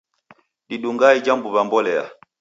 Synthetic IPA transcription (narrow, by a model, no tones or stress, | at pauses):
diɗuŋɡaid͡ʒambuβambɔlɛa̰